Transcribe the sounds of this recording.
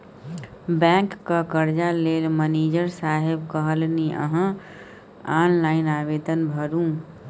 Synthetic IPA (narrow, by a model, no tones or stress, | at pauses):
bɛ̃ːkːakəɾd͡ʒaleːlməneːd͡ʒəɾsaːɦɪbkəɦəlniʔə̰ɦə̃ | aːnlaːɪnaːʋeːd̪ənbʱəɾũ